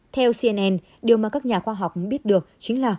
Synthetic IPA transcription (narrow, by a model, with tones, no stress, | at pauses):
t̪ʰɛ˧wsi˧ɛ˧nʔɛ˧n | ɗi˨˩əwmaː˨˩kaː˦˥k̚ɲaː˨˩xwaː˧ɦa˨˩wk͡pʔŋ͡mɓi˦˥ət̚ɗɨ˨˩ək̚t͡ɕï˨˦ŋ̟laː˨˩